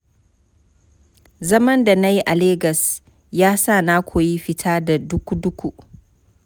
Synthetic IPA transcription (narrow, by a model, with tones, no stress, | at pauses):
zɐ˦mɐ˦nda˨na˦ji˦ʔa˨leː˦ɡɐ˨s | jaː˦sa˦˨na˦kʷʰo˨ji˦ɸɪ˨tʰaː˦da˨dʊ˦kʷu˦dʊ˦kʷu˦˨